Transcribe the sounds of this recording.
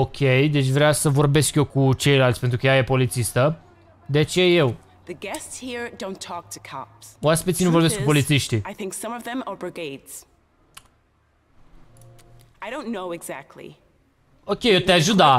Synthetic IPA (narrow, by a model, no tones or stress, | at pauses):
okʲʰejd̪e̞t͡ʃʲvɾeasəvorbe̞skjokut͡ʃe̞jlalt̪spent̪ɾukəjajepo̞lit̪sist̪ə | d̪et͡ʃe̞je̞w | ðɨɡɛstshiɹdõʊ̃ntʰɔk̚tʰɨ̥kʰɑ̰pswaspit̪sʲinuvobeskkupo̞lit̪siʃt̪iaɪθɪ̃ŋksʌ̃mʌvðɨ̃mə˞bɹɨɡeɪdz̥ | aɪɾõʊ̃nːoʊɨɡzæk̚tʰˡlḭ | okʲejet̪eaʒud̪a